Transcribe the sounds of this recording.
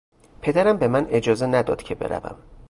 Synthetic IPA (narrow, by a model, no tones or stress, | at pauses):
pʰe̞d̪æɾæmbe̞mæne̞d͡ʒɒːzenæd̪ɒ̰ːd̪̥cʰe̞be̞̰ɾæ̰væ̰m